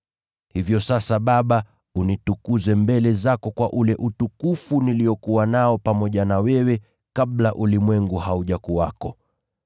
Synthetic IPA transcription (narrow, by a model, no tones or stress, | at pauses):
hivjɔsasaɓaɓa | unitukuzɛmbɛlɛzakɔkwaʔulɛʔutukufuniliɔkuwanaɔpamɔʄanawɛwɛ | kaɓlaʔulimwɛŋɡuhauʄakuakɔ